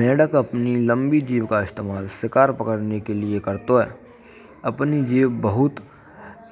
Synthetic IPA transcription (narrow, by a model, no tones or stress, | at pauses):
ɛːɖəkɐpnilə̃mbid͡ʒiːʋkaɪst̪eːmaːlsɪkaːɾpɐkəɾnekeliekɐɾt̪oɦɛː | ɐpnid͡ʒiːʋbɐɦʊt̪